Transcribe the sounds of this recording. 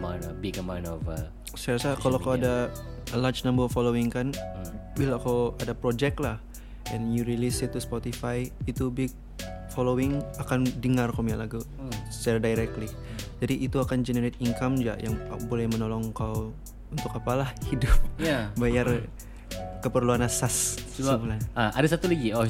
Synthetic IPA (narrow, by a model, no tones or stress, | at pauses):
manbikəmanovəl | sajɾasakalowkawada | əlard͡ʒnambəfolowɪŋkanbilakawadapɾod͡ʒɛk̚lah | ɛnjuɾilisɪt̪ːuspɔt̪ifajit̪ubɪɡ̚ | foloɪŋakandəŋarkomialaɡu | saldajɾɛk̚t̪li | d͡ʒadiʔit̪uakand͡ʒənəɾɪt̪̚iŋkamd͡ʒa̰ʔjaŋbolɛhmənolɔŋkaw | unt̪ʊkːapalahidʊp̚jabajar | kəpərluanasassibulanaadasat̪ulaɡiɔ